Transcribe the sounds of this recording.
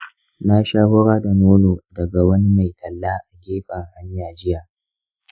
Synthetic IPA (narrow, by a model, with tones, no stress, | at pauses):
na˦ʃaː˦hʊ˦ɽaː˦dɐ˨noː˦loː˨dɐ˨ɡa˨wɐ˦ni˦ma˨jtʰɐ˨lːaː˦ʔa˨ɡʲeː˦ɸɐ˨ŋha˨nɪ˦jaː˨d͡ʒɪ˦jaː˨ʔ